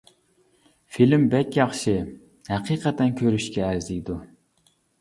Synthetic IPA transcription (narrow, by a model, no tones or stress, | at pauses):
filmbɛkʲjɑχʃɨ | hæqʰiːqʰɛt̪ʰɛnkʲʰøɾyʃkʲʰɛːɾzid̪u